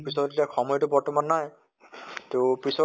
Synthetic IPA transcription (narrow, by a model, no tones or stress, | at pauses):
pisɔdtiakxʰɔmɔjɔtʊbɔɹtɔmanːaj | topisɔ